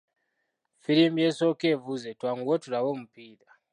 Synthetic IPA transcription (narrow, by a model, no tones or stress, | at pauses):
fiɾimjesokevuzetwaŋɡwotuɾawomupiːɾa